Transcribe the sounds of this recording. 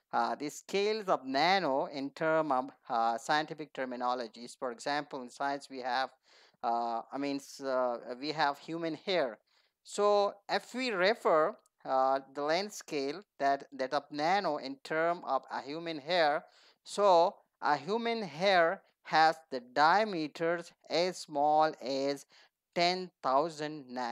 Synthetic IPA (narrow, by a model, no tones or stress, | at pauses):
d̪iskʰeːlzɔʋnænoɪ̃nʈʰəɾmɔʋsaɪjə̃nʈɪfɪk̚ʈʰəɾmɪnɔləd͡ʒisfɔɾeɡzæ̃mpəlˠɪ̃nsaɪjə̃nsʋihæʋ | aɪmĩːnsʋiɦæʋhjuːmə̃nheɹ | soɪfʋiɾɛfəɾ | d̪əlɛ̃nɖskeːld̪̥æʈd̪ɛʈəp̚nænoʔɪ̃nʈʰəɾmɔʋə̰hjuːmə̃nɦeɾ | so | ʔəɦjuːmə̃nɦeɾ | hæzd̪əɖaɪəmiːʈʰəɾz | ɛzsmɔːlɛz | ʈẽnt̪ʰaʊzə̃ɳɖnã